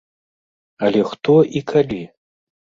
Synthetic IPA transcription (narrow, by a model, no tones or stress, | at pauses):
ɐlʲɛxt̪ɔʔikʰalʲi